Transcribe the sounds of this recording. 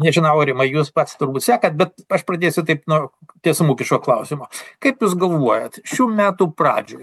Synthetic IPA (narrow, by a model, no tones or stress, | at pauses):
nʲɛʒʲɪnɐʊɾʲɪmɐɪjuːspɐt̪st̪ʊrbuːt̪sʲæːkɐt̪̚bʲɛt̪̚ɐʃpɾɐd̪ʲeːsʲʊt̪ɐɪpnuɔt̪ʲiɛsʊmuːkʲɪʃkoːklˠɐʊsʲɪmoːkɐɪpjuːsɡɐlˠʋuɔjɛt̪ʃʲuːmʲæːt̪uːprɑ̰ːd͡ʒʲoːj